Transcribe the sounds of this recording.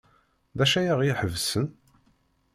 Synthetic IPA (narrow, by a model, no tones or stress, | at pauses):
ðæʃæjaʁiħəvsən